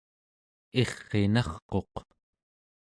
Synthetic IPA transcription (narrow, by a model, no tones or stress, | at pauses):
eχːe̞nɑχqo̞q